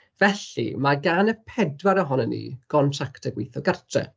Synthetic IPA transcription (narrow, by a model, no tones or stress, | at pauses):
vɛɬḭmaɡanəpʰɛdwaɾəɦɔnənːḭːɡ̥ɔntʰraktʰəɡwɪjθɔɡartʰrɛ̰